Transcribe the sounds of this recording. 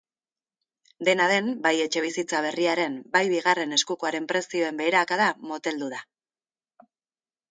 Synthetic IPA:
d̪e̞naðe̞mbaje̞t͡ʃe̞β̞isit͡saβ̞e̞riaɾe̞mbajβiɣ̞are̞ne̞skuko̞aɾe̞mpɾe̞sio̞e̞mbe̞ːɾaːkaðamo̞t̪e̞ld̪uða

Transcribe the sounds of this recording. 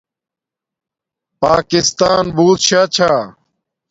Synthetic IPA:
paːkɪst̪aːnbuːt̪ɕaːt͡ɕʰaː

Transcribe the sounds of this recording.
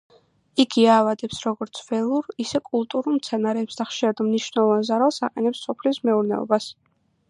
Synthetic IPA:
ikʰiaːvad̪ɛpsɾɔɡɔɾt̪sʰvɛlˠuɾisɛkʼulˠt̪ʼuɾulˠmt̪sʰɛnaɾɛːpsd̪aχʃiɾad̪mniʃnɛlˠɔvanzaɾalˠsaqʼɛnɛpsːɔpʰlismɛuɾnɛɔ̰bas

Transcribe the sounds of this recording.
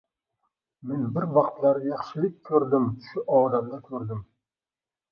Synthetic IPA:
me̞nbɪɾvɑqt̪laɾjɑχʃɪlɪk̚ʲkʰːɵɾd̪ɪmʃʊʔɒːd̪amd̪akʲʰɵɾd̪ɪm

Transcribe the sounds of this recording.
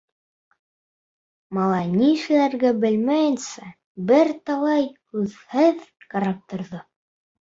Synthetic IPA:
mɑlˠɑjniʃɘ̆læɾɡæbɘ̆lmæjɘ̆nsæ | bɘɾt̪ɑlˠɑjkʉðhɘð | kɑɾɑp̚t̪ŏɾðo

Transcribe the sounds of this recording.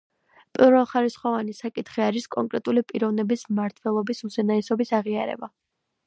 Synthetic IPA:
pʼiɾvɛlˠχaɾisχɔvanisakʼit̪ʰχiaɾiskʼɔŋkʼɾɛt̪ʼulipʼiɾɔvnɛbismaɾt̪ʰwɛlˠɔbisuzɛnaɛsɔbisaʁiaɾɛ̰ba

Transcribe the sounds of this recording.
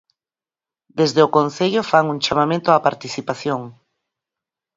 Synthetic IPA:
d̪ezðeokõnθeʎofaŋuŋt͡ʃamamẽnt̪oapaɾt̪iθipaθjoŋ

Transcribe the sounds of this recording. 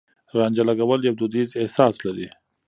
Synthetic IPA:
ɾɑːnd͡ʒalaɡawəljab̚d̪ud̪izehsɑːslaɾi

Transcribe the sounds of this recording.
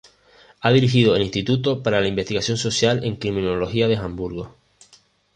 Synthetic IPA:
aðiɾixiðo̞elinst̪it̪ut̪o̞paɾalaimbest̪iɣasjo̞nso̞sjalẽ̞ŋkɾimĩno̞lo̞xiaðe̞xãmbuɾɣ̞o

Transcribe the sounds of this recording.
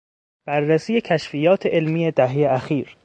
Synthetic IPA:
b̥æɾːæsiːje̞cʰæʃfijɒːt̪ʰeʔelmiːjed̪æɦejeæxiːɾ

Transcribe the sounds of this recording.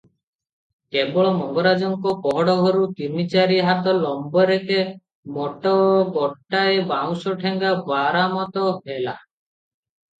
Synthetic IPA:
kebɔɭɔmɔŋɡɔɾad͡ʒɔŋkɔpɔɦɔɽɔɡʱɔɾut̪imit͡ʃaɾiɦat̪ɔlɔmbɔɾeke | mɔʈɔɡɔʈːaebaw̃sɔʈʰeŋɡabaɾamɔt̪ɔɦela

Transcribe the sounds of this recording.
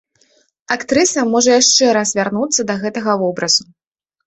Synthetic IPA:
akt̪ɾɨsɐmɔʐɐjaʂt͡ʂɛɾasvʲarnut̪sːɐd̪ɐɣɛt̪ɐɣɐvɔbɾɐzu

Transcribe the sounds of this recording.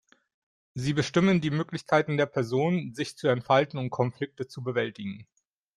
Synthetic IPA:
ziːbəʃtɪməndiːmøːklɪçkʰaɪtn̩deːɐpʰɛɐzoːnnzɪçt͡suɛntfaltn̩ʊmkʰɔnflɪk̚tət͡subəvɛltɪɡŋ̩

